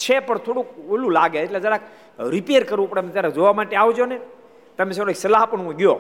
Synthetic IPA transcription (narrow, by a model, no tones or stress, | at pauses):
t͡ʃʰepəɳt̪ʰoɽukolːũlaɡeeʈled͡ʒ̪əɾak | ɾipeɾkəɾʋũpəɽəmet̪jaɾad͡ʒoʋamaʈeaʋd͡ʒone | t̪əmẽsʰoɾoeksəlaɦpəɳɦũɡjo